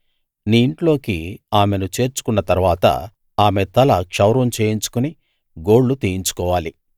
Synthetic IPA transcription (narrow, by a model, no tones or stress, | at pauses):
niːɳʈlo̞ːkiaːme̞nut͡ʃe̞ːɾt͡ʃu̥kunːɐt̪ɐɾuʋaːt̪ɐ̰ | aːme̞t̪ɐlɐkʂɐwɾʋɐmt͡ʃe̞ːjiɲt͡ʃu̥kuni | ɡoːɽːut̪iːjiɲt͡ʃu̥kɔːʋaːli